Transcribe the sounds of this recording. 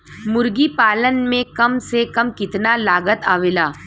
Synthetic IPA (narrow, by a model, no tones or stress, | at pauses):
mʊɾɡipaːlənmẽkɐmsekɐmkɪt̪nalaːɡət̪aːʋeːlaː